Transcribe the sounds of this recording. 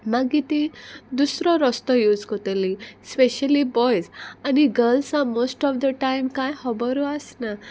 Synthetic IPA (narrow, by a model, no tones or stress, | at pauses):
maɡit̪ĩd̪usɾɔɾɔst̪ɔjuːd͡zkot̪elispeɕəlibɔjzaniɡəɾlsamosʈɔfd̪əʈajmkajhɔbɔɾuasna